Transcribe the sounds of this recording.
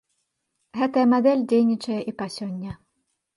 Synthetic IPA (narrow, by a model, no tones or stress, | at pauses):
ɣɛt̪ɐjɐmad̪ɛlʲd͡zʲejnʲit͡ʂɐjɛʔipasʲɔnʲːɐ